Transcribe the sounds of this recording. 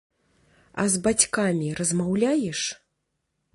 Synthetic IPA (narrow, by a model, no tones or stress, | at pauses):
ɐ̰zbat͡sʲkamʲiɾɐzmawlʲajɛʂ